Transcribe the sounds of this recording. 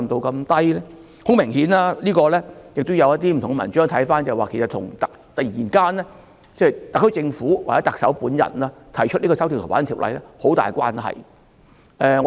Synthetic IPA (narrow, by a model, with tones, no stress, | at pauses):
mt̪o˧wkɐ˧mt̪ɐ˥jlɛː˥ | hʊ˨˥ŋmɪ˨˩ŋhiː˨˥naː˥liː˥kɔː˧lɛː˥jɪ˨k̚t̪o˥wjɐ˧wjɐ˥t̪̚iː˥m̩˨˩t̪ʊ˨ŋɡɛ˧mɐ˨˩nt͡ʃœː˥ŋt̪ʰɐ˨˥jfaː˥nt͡sɐ˨waː˨˩kʰe˨˩st̪ʰʊ̰˨˩ŋt̪ɐ˨k̚t̪ɐ˨jḭː˨˩nkaː˥nlɛ˥ | t͡sɛː˥˩˨jt̪ɐ˨kʰːɵ˥t͡sɪ˧ŋfuː˨˥waː˨˩t͡sɛ˨˥t̪ɐ˨k̚sɐ˨˥wpuː˨˥njɐ̰˨˩nlaː˧t̪ʰɐ˨˩jt͡ʃʰt̚liː˥kɔː˧sɐ˨˥wt̪ʰi˨˩t̪ʰwa̰ː˨˥˩tʰiː˨˩wlʔɐ̰˨˧jlɛː˥ho˨˥wt̪a̰ː˨jkʷa̰ː˥nhɐ̰˨j | ʔɛ˨˧ŋɔ˨˧